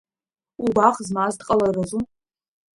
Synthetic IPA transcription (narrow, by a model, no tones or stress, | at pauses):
ubaχzmazdqʼɐlɐrɐʒu